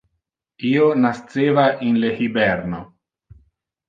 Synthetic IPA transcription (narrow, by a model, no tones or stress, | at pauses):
iːonast̪seːvaʔinlehibɛɾno